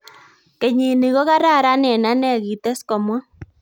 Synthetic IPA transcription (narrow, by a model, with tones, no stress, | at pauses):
ke˨ɲi˨ni˨ɣɔ˦ɣa˦ɾa˦˨ɾa˦nɛ˨na˦nɛ˦˨ɣi˨t̪e˦skɔ˨mwɔ˦